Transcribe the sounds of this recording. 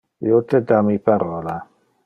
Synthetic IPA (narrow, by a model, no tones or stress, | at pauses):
jot̪ɛd̪amipaɾɔla